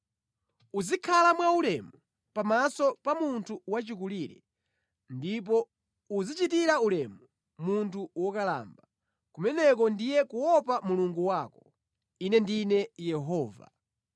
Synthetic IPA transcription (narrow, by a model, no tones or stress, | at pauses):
uzikʰalamwaulɛmu | pamasɔpamuntʰuwat͡ʃikuliɾɛ̰ | ndip̬ɔ | uzit͡ʃitiɾaulɛmu | muntʰuwɔkala̰ːmba | kumɛnɛk̬ɔndijɛkuwɔpamuluŋɡuwakɔ | inɛndinɛjɛɦɔːva̰